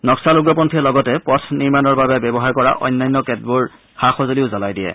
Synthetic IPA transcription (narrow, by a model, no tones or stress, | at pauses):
nɔksaluɡɹɔpɔntʰiɛlɔɡɔtɛpɔtʰniɹmanɔɹbabɛbɛbɔɦaɹkɔɹa̰ʔɔ̰jnːajnːɔkɛt̚buɹ | xaxozoliʊzalajdijɛ̰